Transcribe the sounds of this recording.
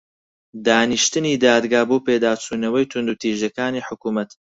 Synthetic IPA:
d̪aːniʃt̪ɨniːd̪aːd̪ɡaːboːpeːd̪aːt͡sʰuːnɐwɐjt̪ʰʊnd̪ut̪iːʒjɐkaːniːħʊkuːmɐt̪

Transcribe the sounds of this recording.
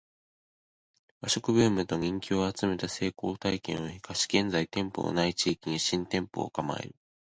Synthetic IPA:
βaɕo̞kɯ̟bɯ̟ːmɯ̟t̪o̞ɲ̟ʲĩŋkʲoːat͡sɨme̞t̪ase̞ːko̞ːt̪aikẽ̞̰ɰ̃oçi̥kaɕi̥ɡẽ̞nd͡zait̪ẽ̞mpo̰no̰nait͡ɕiːkʲiɲ̟iɕĩnt̪ẽ̞mpo̞̰ːkama̰ḛɾɯ̟

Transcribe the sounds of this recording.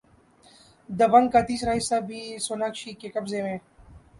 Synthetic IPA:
d̪əbaŋkat̪iːsɾaːisabʱiːsonakʃiːkekɐbzemẽː

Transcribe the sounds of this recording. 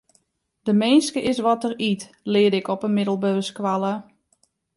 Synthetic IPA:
dəmeːnskəʔɪsʋɔtərit | lɪədɪkɔpənmɪdəl̩ˠbøːskʋalˠə

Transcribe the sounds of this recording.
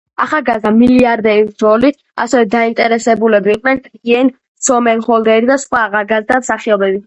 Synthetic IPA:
aχalˠɡazd̪amiliaɾd̪ɛɾiɾɔlit̪ʰ | a̰sɛvɛd̪aint̪ʼɛɾɛsɛbulɛbiːqʼnɛnʰɡiɛn | sɔmɛnχɔlˠd̪ɛɾid̪asχwaːʁalɡazd̪amsaχiɔbɛbi

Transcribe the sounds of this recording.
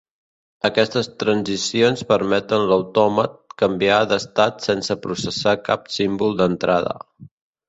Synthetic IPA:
əkɛst̪əst̪ɾənzisionspəɾmɛt̪ənləwt̪ɔmət̪̚kəmbiad̪əst̪at̪sensəpɾusəsakapsimbulˠd̪ənt̪ɾʔaðə̰

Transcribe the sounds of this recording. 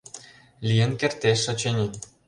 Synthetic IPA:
lʲijə̆nkert̪eʃːɑ̆t͡ɕenʲi

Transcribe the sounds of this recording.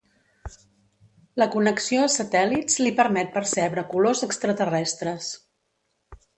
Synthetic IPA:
ləkunəksioəsət̪ɛliz̥lipəɾmɛt̪̚pəɾsɛβɾəkulozəkst̪ɾət̪ərɛst̪ɾəs

